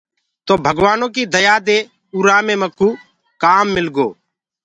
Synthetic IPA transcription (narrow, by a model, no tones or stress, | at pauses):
t̪oːbʱəɡʋaːnõːk̬iːd̪əjaːd̪eː | uːɾaːmẽːməkːuː | kaːmːɪlɡoː